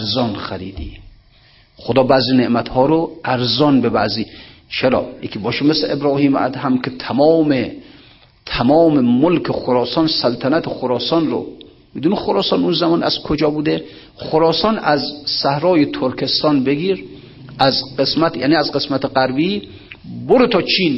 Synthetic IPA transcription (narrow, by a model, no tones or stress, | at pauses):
æɾzɒnxæɾiːd̪ḭ | xod̪ɒːbæːziːneʔmæt̪hɒːɾoæɾzɒnbebæziːt͡ʃʰeɾɒ̰ːjekʰʲiːbɒːʃemeslḛʔebɾɒːhiːm̰ʔæ̰d̪ɦæmkʰet̪ʰæmɒːme | t̪ʰæmɒːmemolkʰexoɾɒːsɒnsælt̪ʰænæt̪ʰexoɾɒːsɒnɾo̰ | mid̪uːnixoɾɒːsɒːnunzæmɒːnæ̰z̥kʰod͡ʒɒːbuːd̪e | χoɾɒːsɒnæzsæhɾɒːjet̪ʰoɾkʰest̪ɒːnbeɡiːɾ | æzqesmæt̪ja̰ːniːæzqesmæt̪ʰeɢæɾbi | boɾet̪ʰɒːt͡ʃʰiːn